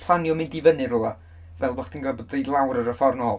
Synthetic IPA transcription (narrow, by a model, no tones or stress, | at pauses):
pʰlˠanjɔmɪndivənɨɾʊlˠa | vɛlˠvɔχd̥inɡabɔdejlˠawɾəɾəfɔrnɔlˠ